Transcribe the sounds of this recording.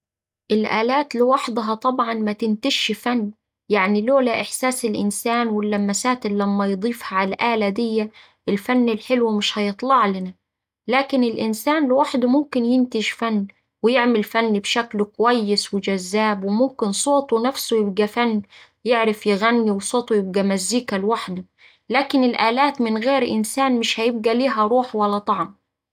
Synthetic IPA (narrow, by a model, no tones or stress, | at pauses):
ʔɪlʔaːlaːt̪lɪwɑħd̪ɦɑt̪ˤɑbʕɑnmat̪ɪnt̪ɪʃfanː | jaʕniloːlaʔɪħsaːsɪlʔɪ̰nsaːnwɪlːamːasaːt̪ɪlːamːajd̪ˤiːfhaʕalʔaːlad̪ɪjːa | ʔɪlfanːɪlħɪlwmɪʃhajɨt̪ˤlɑʕlɪna | laːkɪnɪlʔɪnsaːnlɪwaħd̪mʊmkɪnjɪnt̪ɪʒfanː | wɪjɪʕmɪlfanːbʃæklkʊwæjːɪswɪd͡ʒazːaːbwɪmʊmkɪnsˤoːt̪ˤwnafsujɪb̚ɡæfanː | jɪʕɾɪfjɪɣænːiwsˤoːt̪ˤujɪb̚ɡæmazːiːkalwaħd̪ʊ | laːkɪnɪlʔaːlaːt̪mɪnɣeːɾʔɪnsaːnmɪʃhæjɪb̚ɡæliːɦæɾˤuːħwælːæt̪ˤɑʕm